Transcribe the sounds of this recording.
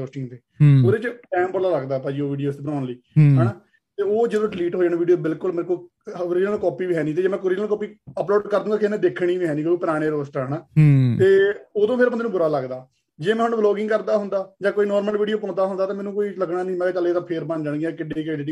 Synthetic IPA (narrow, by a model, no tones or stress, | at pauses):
oːsʈɪ̃ŋɡt̪eː | ɦoːɾeːt͡ʃʈɛ̃ːmpəɾlaːləɡd̪aːpaːd͡ʒiːoːʋiːɖijoːst̪eːbənãːnliːɦɛːnaː | t̪eːoːd͡ʒeːd̪õːɖɪliːʈɦoːd͡ʒaːnẽːʋiːɖijoːbɪlkʊlmːɾkoi | oɾɪd͡ʒnəlkɔːpiːʋiːɦɛːniːt̪eːd͡ʒeːmɛ̃ːkoɾɪd͡ʒəlkɔːpiːəploːɖkəɾd̪ũːɡaːkenẽːd̪eːkʰɽĩːʋiːɦɛːniːkoːiːpəɾaːɽ̃eːɾoːsʈɦəːnaːt̪eːoːd̪õːpʰɪɾbənd̪eːũːbʊɾaːləɡd̪aː | d͡ʒeːmɛ̃ːɦʊnblɔːɡɪ̃ŋɡkəɾd̪aːɦʊnd̪aːd͡ʒãːkoːiːnɔːɾməlʋiːɖijoːpõːd̪aːɦʊnd̪aːt̪aːmɛːnũːkoːiːləkʰɽaːnĩːmɛ̃ːɡaːt͡ʃəleːt̪ãːpʰeːɾbənd͡ʒaːɳɡiakɪɖeːked͡ʒeːɽiː